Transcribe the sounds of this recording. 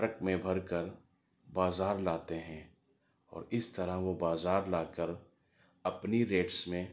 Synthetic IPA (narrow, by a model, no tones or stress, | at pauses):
ɾəkmẽbʱɐɾkəɾ | baːzaːɾlaːt̪eɦɛ̃ː | ɔ̰ːɾɪst̪ɐɾaʋobaːzaːɾlaːkəɾ | ɐpniɾeːʈsmẽ